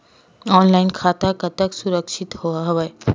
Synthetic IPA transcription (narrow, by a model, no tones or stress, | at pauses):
ɔːnlaːɪnkʰaːt̪akat̪əksʊɾəkʃɪt̪hoaɦɐʋəe